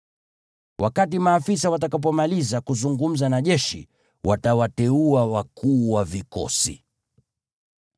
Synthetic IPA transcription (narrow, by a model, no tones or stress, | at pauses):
wʔakat̬imaːfisawat̬akap̬ɔmalizakuzuŋɡum̩zanaʄɛʃḭ | wʔatawatɛuawakuːwavikɔ̰sḭ